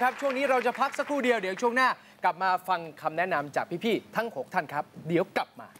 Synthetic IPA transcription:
kʰa˦˥p̚t͡ɕʰu˥˩əŋniː˦˥ɾa˧wt͡ɕa˨˩pʰa˦˥k̚sa˧˥kʰɾuː˥˩di˧əwdi˩˦wt͡ɕʰu˥˩əŋnaː˥˩ | kla˨˩p̚maː˧fa˧ŋkʰa˧mnɛ˦˥na˧mt͡ɕaː˨˩k̚pʰiː˦˥pʰiː˥˩t̪ʰa˦˥ŋho˨˩˦k̚t̪ʰa˥˩nkʰa˦˥p̚di˩˦əwkla˨˩p̚maː˧

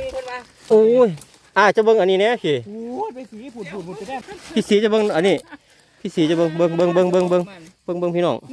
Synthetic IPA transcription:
ʔoː˧˩j | ʔaː˧˩t͡ɕa˧˦bɤ˧ŋʔa˨niː˧˨nɛ˧˥˨pʰi˧˩ | pʰiː˧˨siː˨˦t͡ɕa˧˦bɤ˧ŋʔa˨niː˧˩˨ | pʰiː˧siː˨˦t͡ɕa˧˩bɤ˧ŋbɤ˧ŋbɤ˧˨ŋbɤ˧ŋbɤ˧ŋbɤ˧ŋbɤ˧ŋbɤ˧ŋpʰiː˧˨nɔː˧˩ŋ

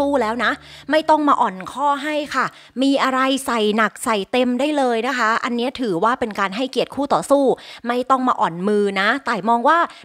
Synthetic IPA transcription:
uː˥˩lɛː˦˥wna˦˥ʔma˥˩jt̪ɔ˥˩ŋmaː˧ʔɔː˨˩nkʰɔː˥˩ɦa˥˩jkʰa˥˩ | miː˧ʔa˧ɾa˧jsa˨˩jna˨˩k̚sa˨˩jt̪e˧mdaː˥˩jlɤː˧jna˦˥kʰa˦˥ʔa˧nːi˦˥ɐt̪ʰɯː˩˦waː˥˩pe˧nkaː˧nɦa˥˩jki˨˩ət̪̚kʰuː˥˩t̪ɔː˨˩suː˥˩ma˥˩jt̪ɔ˥˩ŋmaː˧ʔɔː˨˩nmɯː˧na˦˥t̪aː˨˩mɔː˧ŋwaː˥˩

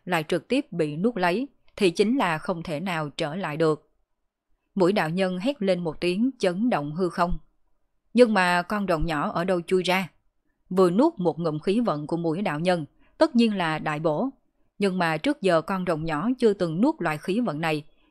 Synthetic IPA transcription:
la̰ː˧˨jt͡ɕɨ˨˩k̚t̪i˦˥əp̚ɓḭ˧˨nu˦˥ək̚lə˨˦j | t̪ʰi˨˩t͡ɕï˨˦ŋ̟laː˨˩xə˧wŋ͡mt̪ʰe˧˩naː˨˩wt͡ɕəː˧˩la̰ː˧˨jɗɨ˨˩ək̚ | mu˧˩əjɗa̰ː˧˨wɲə˧nɦɛ˦˥t̚le˧nmo˨˩t̚t̪i˨˦əŋt͡ɕə˨˦nɗo̰˧˨wŋ͡mɦɨ˧xə˧wŋ͡m | ɲɨ˧ŋmaː˨˩kɔ˧nzə̰˧˨wŋ͡mɲɔ˧˩ʔəː˧˩ɗə˧wt͡ɕu˧jzaː˧ | vɨ˨˩ənu˦˥ət̚mo˨˩t̚ŋɨ̰˧˨ŋ͡mxi˨˦və̰˧˨nku˧˩əmṵ˧˥əjɗa̰ː˧˨wɲə˧n | t̪ə˦˥t̚ɲi˧ənlaː˨˩ɗa̰ː˧˨jɓo̰˧˥˨ | ɲɨ˧ŋmaː˨˩t͡ɕɨ˦˥ək̚zəː˨˩kɔ˧nzə̰˨wŋ͡mɲɔ˧˩t͡ɕɨ˧ət̪ɨ˨˩ŋnu˦˥ək̚lwa̰ː˧˨jxi˨˦və̰˧˨nːa˨˩j

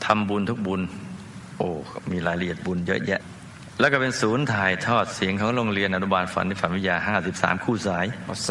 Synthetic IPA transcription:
t̪ʰa˧mbu˧nt̪ʰu˦˥k̚bu˧n | ʔoː˧˩miː˧laː˩˦jɾa˧ʔi˨˩ət̪̚bu˧njɤ̰˦˥ʔjɛ˦˥ʔ | lɛː˦˥˩kɔ˥˩pe˧nsuː˩˦˥nt̪ʰaː˨˩jt̪ʰɔː˥˩t̪̚si˨˩˦əŋkʰɔː˩˦ŋɾoː˧ŋɾi˧ənʔa˧˩nu˧˥˩baː˧nfa̰˩˦nːiː˧˩fa˨˦nwi˦˥jaː˧ɦaː˥˩si˨˩p̚sa̰ː˩˦mkʰuː˥˩saː˩˦j

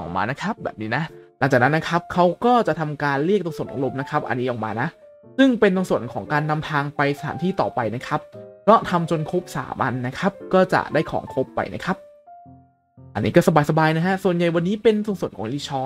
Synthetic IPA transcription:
ɔ˨˩ma̰ː˧na˦˥kʰa˦˥p̚bɛː˨˩p̚niː˦˥na˦˥ʔla˨˩˦ŋt͡ɕaː˨˩k̚na˦nːa˦˥kʰa˦˥p̚kʰa˦˥wkɔː˥˩t͡ɕa˨ʔt̪ʰa˧mkaː˧nɾi˥˩k̚t̪o˧ŋsu˨˩ənʔɔ̰ː˨˩ɾo˧mna˦˥kʰa˦˥p̚ʔa̰˧nːiː˦˥ʔɔː˨˩ma̰ː˧na˦˥ʔ | sɯ˥˩ŋpe˧nt̪o˧ŋsu˨˩ənkʰɔː˩˦ŋkaː˧nːa˧mt̪ʰaː˧ŋpa˧jsa˧a̰ː˩˦t̪iː˥˩t̪ɔː˨˩pa˧jna˦˥kʰa˦˥p̚kɔː˦˥˩t̪ʰa˧mt͡ɕo˧nkʰo˦˥p̚sa̰ː˩˦mʔa̰˧nːa˦˥kʰa˦˥p̚kɔː˥˩t͡ɕa̰˨˩ʔdaː˥˩jkʰɔ̰ː˩˦ŋkʰo˦˥pːa̰˧jna˦˥kʰa˦˥p̚ | ʔa˧nːiː˦˥kɔː˥˩sa˧baː˧jsa˧baː˧jna˦˥kʰa˦˥su˨˩ənja˨˩jwa˧nːiː˦˥pe˧nsu˧ŋsu˨˩ənkʰɔː˩˦ŋʔi˦˥˩t͡ɕʰɔː˧˥

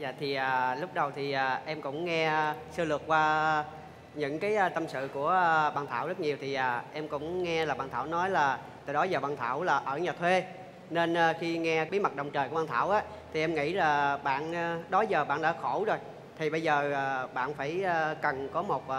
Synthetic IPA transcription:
za̰ː˧˨t̪ʰi˨˩ʔaː˨˩lʊ˦˥k͡p̚ɗə˨˩wt̪ʰi˨˩aː˨˩ʔɛ˧mkʊ̰˧˥ŋ͡mŋɛ˧sɨ˧lɨ˨˩ək̚kwaː˧ | ɲɨ̰˧˥ŋkaː˨˦jt̪ə˧msɨ̰˧˨ku˧˩əɓa̰ː˧˨nt̪ʰaː˧˩wzə˦˥t̚ɲi˨˩əwt̪ʰi˨˩ʔaː˨˩ʔɛ˧mkʊ̰˧˥ŋ͡mŋɛ˧laː˨˩ɓa̰ː˧˨nt̪ʰaː˧˩wnɔ˨˦jlaː˨˩ | t̪a̰ː˨jɗɔ˨˦jzəː˨˩ɓaː˧˨nt̪ʰaː˧˩wlaː˨˩ʔəː˧˩ɲaː˨˩t̪ʰwe˧ | ne˧nə˨xi˧ŋɛ˧ɓi˨˦mə˨˩t̚ɗə˨˩wŋ͡mt͡ɕəː˨˩kːɓaː˧nt̪ʰaː˧˩wʔaː˨˦ | t̪ʰi˨˩ʔɛ˧mŋḭ˧˥laː˨˩ɓa̰ː˧˨n˨ɗɔ˨˦jzəː˨˩ɓa̰ː˧˨nɗa̰ː˧˥xo˧˩wzo˨˩j | t̪ʰi˨˩ɓə˧jzəː˨˩˨ɓa̰ː˧˨nfaː˧˩jə˧˩kə˨˩nkɔ˨˦mo˨˩t̚ː

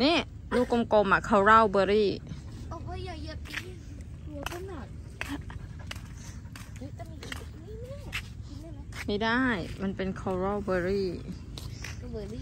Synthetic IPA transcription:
niː˦˥˩ | juː˧˩ko˧mko˧mʔa˨˩kʰa˧˩wɾa˥˩wbɤː˧ɾiː˥˩˧ | a˨j | kʰa˧˥na˨˩t̪̚ | ma˥˩jdaː˥˩jma˧npe˧nkʰɔ˧˩wɾɔ˧˥˩wbɤː˧ɾiː˥˩˧

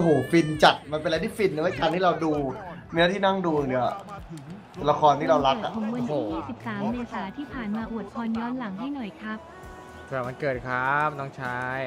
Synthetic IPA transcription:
ɦoː˨˩fi˧nt͡ɕa˨˩t̪̚ma˧npe˧nla˧t̪ʰiː˥˩fi˧nː˧˦a˥˩kaː˧nt̪ʰiː˥˩ɾa˧wduː˧ni˦˥˦t̪ʰiː˥˩na˥˩ŋduː˧ɯ˨˩ŋnḭ˨˩ | la˧kʰɔː˧nt̪ʰiː˥˩ɾa˧wɾa˦˥˩ka̰˨˩o˩˦wɯ˧nː˨˦˩jiː˥˩si˨˩p̚saː˩˦mneː˧saː˩˦t̪ʰiː˥˩pʰaː˨˩nmaː˧ʔu˨˩ət̪̚pʰɔː˧njɔː˧˥nla˩˦ŋɦa˥˩jnɔ˨˩jkʰɾa˦˥p̚ | t̪aː˨˩ma˧nkɤː˨˩t̪̚kʰɾa˦˥p̚nɔː˥˩ŋt͡ɕʰa˦˥j

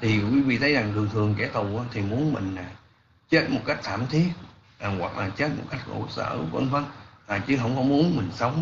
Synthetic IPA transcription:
t̪ʰi˨˩kwi˨˦vḭ˧˨t̪ʰə˨˦jza˨˩ŋzɨ˨˩əŋt̪ʰɨ˨˩əŋkɛ˧˩t̪u˨˩ʔaː˨˦t̪ʰi˨˩mu˨˦ənmï˨˩ŋ̟aː˨˩ | t͡ɕe˦˥t̚mo˨˩t̚ka˦˥jk̚t̪ʰaː˧˩mt̪ʰi˦˥ət̚ | ʔaː˨˩ɣwa̰˨˩k̚lʔaː˨˩t͡ɕe˦˥t̚mo˨˩t̚ka˦˥jk̟̚xo̰˧˩sə̰ː˧˩kwə̰˧nfə˧nʔaː˨˩t͡ɕɨ˨˦ɦə̰˧˥wŋ͡mkɔ˨˧˦mu˨˦ənmï˨˩ŋ̟sə˨˦wŋ͡m

